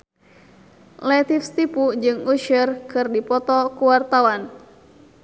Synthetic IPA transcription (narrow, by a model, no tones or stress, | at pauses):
lɛt̪ifst̪ipud͡ʒɨŋuʃərkɨrdipɔt̪ɔkuwart̪awan